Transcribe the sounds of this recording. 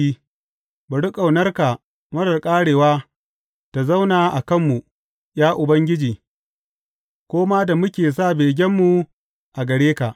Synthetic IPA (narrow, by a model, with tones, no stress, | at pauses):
i˦ | bɐ˨ɽʊ˦kʼa˨wnɐ˦rka˨ | mɐ˦ɽɐ˨rkʼaː˦ɽeː˨waː˦ | ta˨za˦wnaː˨ʔa˨kɐ˦˨mːu˨ | j̰aː˦ʔʊ˨bɐ˦ŋɡʲɪ˦d͡ʒiː˨ | kʷoː˦ma˦da˨mʊ˦kʲeː˨saː˦˨beː˨ɡʲɛ˦mːu˨ | ʔa˨ɡɐ˨ɽeː˦ka˨ʔ